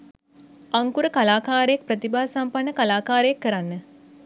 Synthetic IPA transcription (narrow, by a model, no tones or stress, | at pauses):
aŋkuɾəkalaːkaːɾejak̚prət̪ibaːsampanːəkalaːkaːɾəjakːəɾanːə